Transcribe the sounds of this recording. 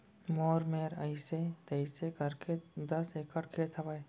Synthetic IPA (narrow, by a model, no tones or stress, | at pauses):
moːɾmeːɾɐ̰ɪset̪ɐɪsekɐɾked̪ɐsekəɽkʰet̪ʰɐʋae